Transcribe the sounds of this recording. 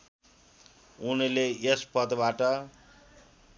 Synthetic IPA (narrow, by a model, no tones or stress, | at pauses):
unileespʌd̪baʈʌ